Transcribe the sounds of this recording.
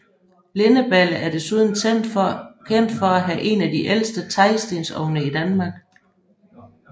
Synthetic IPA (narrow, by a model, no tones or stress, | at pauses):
le̝nəb̥ælæɐd̥e̝suð̞ˠn̩̥ | kʰen̰d̥fɒæɦæʔe̝næd̥iʔelsd̥ət͡sʰɑ̈ɪsd̥e̝nsɒ̰ʊnəid̥ænmɑ̈ːɡ̥